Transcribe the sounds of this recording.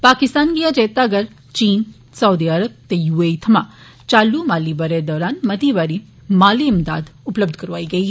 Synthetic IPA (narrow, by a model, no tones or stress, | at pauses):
paːkɪst̪aːnkiad͡ʒeːt̪aɡɐɾ | t͡ʃiːn | sɐwːd̪iaɾəb̚t̪ejuːeːit̪ʰɐmã | t͡ʃaːlːumaːlibɐɾed̪ɔːɾaːnmɐt̪iʋaːɾi | maːliɪmd̪a̰ːd̪ʊpləb̚d̪ʱkɐɾʋaːiɡɐiɦɛ